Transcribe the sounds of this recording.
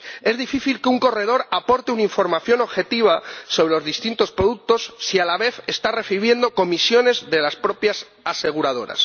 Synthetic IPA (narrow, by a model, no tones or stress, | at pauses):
e̞zðifiθilkeuŋko̞re̞ð̞o̞ɾapo̞ɾt̪eunaiɱfo̞ɾmaθjo̞no̞βxe̞t̪iβ̞aso̞β̞ɾe̞lo̞zðist̪int̪o̞spɾoðuk̚t̪o̞sːialaβe̞θe̞st̪are̞θiβje̞nd̪o̞ko̞misjo̞ne̞zðe̞laspɾo̞pjas | ase̞ɣ̞uɾað̞o̞ɾa̰s